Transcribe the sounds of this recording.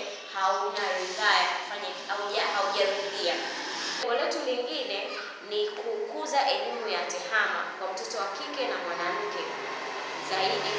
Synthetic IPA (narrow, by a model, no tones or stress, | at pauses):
haunaɾivajakufaɲa | auʄahauʄaɾuɗia | ɔlɛtuliŋɡinɛ | nikukuzaʔɛlimujatɛhama̰kwam̩tɔtɔwakikɛnamwanam̩kɛ | zaiɗi